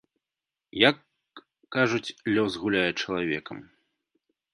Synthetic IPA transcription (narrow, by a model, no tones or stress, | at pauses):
jakː | aʐut͡sʲlʲɔsɣulʲajɛt͡ʂɐlˠavʲɛkɐ̰m